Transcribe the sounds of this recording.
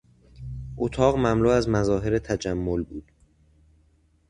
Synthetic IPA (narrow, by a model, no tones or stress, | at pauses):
ʔot̪ʰɒːɣmæmluːæzmæzɒːɦe̞ɾet̪ʰæd͡ʒæmːolbuːd̪̥